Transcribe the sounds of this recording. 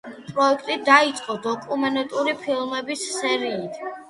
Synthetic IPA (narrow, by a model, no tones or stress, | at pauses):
pʼɾɔɛkʰt̪ʼid̪ait̪sʼqʼɔd̪ɔkʼumɛnɛt̪ʼuɾipʰilˠmɛbisːɛɾiːt̪ʰ